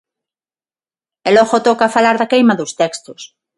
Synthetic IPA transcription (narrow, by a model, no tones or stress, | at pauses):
eloɣot̪okafalaɾðakejmaðost̪ekst̪os